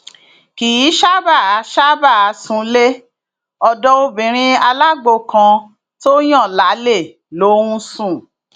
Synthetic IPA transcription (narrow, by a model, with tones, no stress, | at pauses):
ki˨ji˨˦ʃa˦ba˦˨a˨˧˦ʃa˦ba˦˨a˨˧˦sũ˧˦le˦ | ɔ˧dɔ˦o˦bĩ˨˦ɾ̃ĩ˧a˧la˦ɡ͡bo˧˨kã˧ | to˦j̃ã˦˨la˨˦le˦˨ | lo˨˦ũ˦sũ˦˨